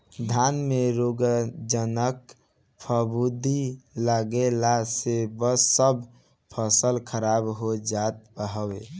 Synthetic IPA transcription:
d̪ʱanmeɾoɡd͡ʒənək | pʰəbud̪ʱiləɡelasebəsːəbʱ | pʰəsəlkʰəɾabɦod͡ʒat̪̚bəɦəwe

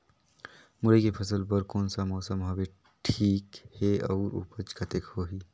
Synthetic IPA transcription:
muɾəkepʰəsəlpəɾkoːnsəamɔːsəmɦəbe | ʈʰiːkheɐːɾṵːpət͡ʃkət̪ekhoɦiː

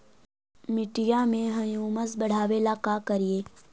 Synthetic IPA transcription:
mɪʈijamẽɦɐjuːməsbɐɽ̤aːʋeːlakakɐɾijeː

